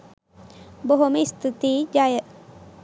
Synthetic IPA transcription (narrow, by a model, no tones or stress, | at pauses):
boɦomist̪ʰit̪id͡ʒaːjə